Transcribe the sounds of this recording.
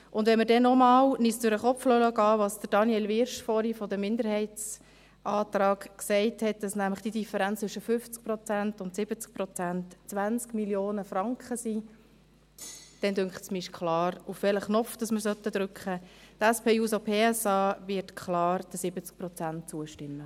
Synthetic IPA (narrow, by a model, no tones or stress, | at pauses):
ʔʊndʋɛnməɾdɛnɔmɑːlnisdʊɾəχɔflœləɡɑːʋɑːsd̥əɾd̥ɑnjɛːlʋɪɾʃfɔɾifɔdəmɪnd̪əɾhɛɪtt͡s | ʔɑːtɾɑːɡksɛɪthɛt̚d̥ɑsnæmləχd̥idifəɾænt͡st͡sʏʃəfʏft͡sk̚pɾɔt͡sæntʊntsɪb̥ət͡sk̚pɾɔt͡sæntt͡sʋænt͡skmiljoːnəfɾɑŋkχəsi | d̥ɛndʏŋkχtsmɪɪʃkχlɑːɾufʋɛləχnɔfd̥ɑsməɾsœt̪ːəd̥̪ɾʏkχətæspʰeːuːsopʰeːɛsɑːvɪɾtkʰlɑːɾd̥əsɪbət͡sk̚pɾɔt͡sænt̚t͡suəʃtɪmːə